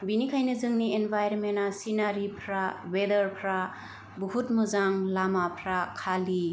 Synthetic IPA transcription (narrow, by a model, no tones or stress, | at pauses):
binikʰajnɯzɯŋnienbʱajɾnmenasinaɾipʰɾabedəɾpʰɾa | buhut̚mɯzaŋlamapʰɾakʰali